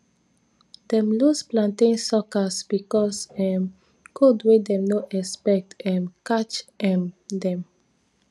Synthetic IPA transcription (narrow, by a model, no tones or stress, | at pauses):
d̪̥ɛ̃mlusplãntẽnsɔkəsbikɔsɛ̃m | kʰodwedɛ̃mnoʔɛspɛk̚tɛ̃nkat͡ʃɛ̃mdɛ̃m